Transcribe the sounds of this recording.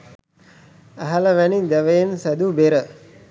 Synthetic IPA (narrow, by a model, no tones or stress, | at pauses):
æɦaləʋænid̪æʋəjensæd̪ubeɾə